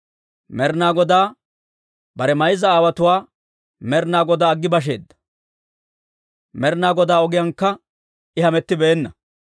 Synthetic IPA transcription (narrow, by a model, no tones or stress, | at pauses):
mɛɾnaːɡɔd̪aː | bɐɾɛmɐjzɐaːwɐt̪ʊwaː | mɛɾnaːɡɔd̪aːɡːɪbɐʃ̬e̞̰ːd̪ːɐ̥ | mɛɾnaːɡɔd̪aːɔɡɪjɐŋkːɐ | ɪhɐmɛt̪ːɪbɛːnːɐ